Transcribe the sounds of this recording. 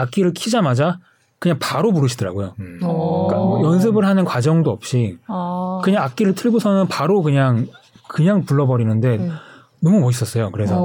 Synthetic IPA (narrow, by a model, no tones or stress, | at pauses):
ak͈iɾɯɭkʰid͡ʑamad͡ʑa | kɯɲaŋpaɾomuɾɯɕʰidʌɾa̰ɡojo | k͈amʌjʌns̬ʰɯbɯɭɦanɯnkwad͡ʑʌŋdoʌp̚ɕ͈i | kɯɲaŋak͈̚iɾɯɭtʰɯɭɡosʰʌnɯnpaɾokɯɲaŋkɯɲaŋpuɭːʌbʌɾinɯnde̞ | nʌmumʌɕʰis͈ʌs͈ʌjokɯɾe̞sʰʌ